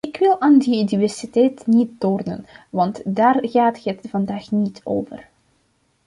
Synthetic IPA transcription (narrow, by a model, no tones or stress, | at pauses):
ɪkʋɪlˠaːndiynivɛrsitɛjtnit̚doːrnə̰nʋɑntdaːrɣaːtɦətv̥ɑndaːxnitʰo̰ːvə̰r